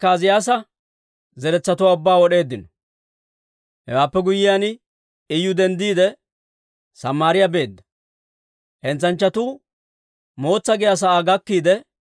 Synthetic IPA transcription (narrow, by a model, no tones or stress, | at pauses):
kaːzɪjaːs̬ɐ | zɛɾɛt͡sːɐt̪ʊwaːʊbːaːwɔɗe̞ːd̪ːɪnɔ | hɛ̰waːpːɛɡʊjɪjan | ɪjʊd̪ɛnd̪iːd̪ɛ | sɐmːaːɾɪjabe̞ːd̪ːɐ̥ | hɛnt͡sɐnt͡ʃːɐt̪uː | mo̞ːt͡sːɐɡɪjaːs̬ɐʔaːɡɐkːiːd̪ɛ